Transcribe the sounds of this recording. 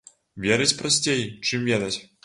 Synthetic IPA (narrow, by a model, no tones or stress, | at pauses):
vʲɛɾɨt͡sʲpɾɐsʲt͡sʲejt͡ʂɨmvʲɛd̪ɐt͡sʲ